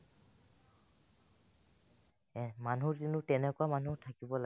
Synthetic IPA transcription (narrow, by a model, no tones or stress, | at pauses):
manuɹzinʊtɛnɛkʊamanutʰakibɔla